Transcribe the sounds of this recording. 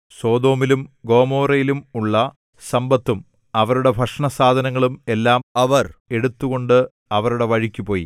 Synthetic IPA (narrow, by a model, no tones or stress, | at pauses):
so̞ːd̪o̞ːmilumɡo̞ːmo̞ːrɐjilumuɭːɐ | sɐmbɐt̪ːum | ɐʋɐɾuɽe̞bʱɐʂɳɐsaːd̪ʱɐnɐŋːɐɭume̞lːaːmɐʋɐre̞ɽut̪ːuɣo̞ɳɖɨ | ɐʋɐɾuɽe̞ʋɐɻikʲːupo̞ːji